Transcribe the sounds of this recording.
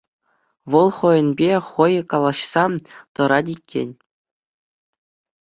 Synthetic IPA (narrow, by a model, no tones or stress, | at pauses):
ʋɤ̆lˠχɤ̆jɘ̆nʲbʲeχɤ̆jkɑlˠɑɕsɑt̪ɤ̆ɾɑdʲikʲːḛnʲ